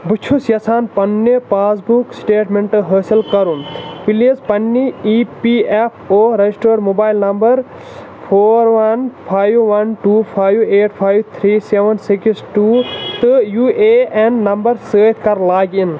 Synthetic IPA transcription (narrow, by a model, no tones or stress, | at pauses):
but͡ʃʰusjɐsʰaːnpɐnːepaːsbuksʈeːʈmeɳʈɦəːsilkɐɾupilizpɐnːiipiepʰoːɾɐisʈoːɾmoːbaːilnɐmbɐɾ | pʰoːɾʋɐnpʰaːjwʋɐnʈuːpʰaːjʋeːʈpʰaːjwt̪ʰɾiːseʋɐnsiksʈuːt̪ɨjuːeenːɐmbɐɾsəːt̪ʰkɐɾlaːɡin